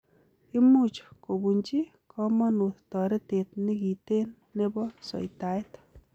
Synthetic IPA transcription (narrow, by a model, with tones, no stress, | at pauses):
i˦mu˦˨t͡ʃko˨bu˨ɲt͡ʃi˦ | kʰɔ˦mɔ˦nu˨ttɔ˨ɾe˦te˨t̚nɪ˦ki˨te˦nːe˦bɔ˦sɔ̰˨ita˨jt